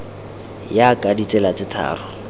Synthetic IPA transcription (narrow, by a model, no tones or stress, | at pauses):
jakʼadit͡sɛlat͡sɪtʰa̰ːrʊ